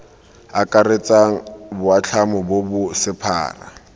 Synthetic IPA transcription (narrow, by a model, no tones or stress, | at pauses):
akʼaret͡sʼaŋ̩bʊat͡ɬʰamʊbobʊsɪpʰa̰ːra̰